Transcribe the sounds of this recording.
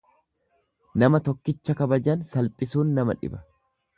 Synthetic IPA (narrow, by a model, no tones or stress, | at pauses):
nɐmɐt̪ɔkːɪt͡ʃːɐkɐbɐd͡ʒɐnsɐlpʼɪsuːnːɐmɐ̰ᶑɪ̰bɐ̥